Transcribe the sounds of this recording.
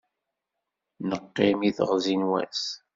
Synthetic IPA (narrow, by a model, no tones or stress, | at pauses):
nəqːɪmiθə̰ʁzinwæ̰s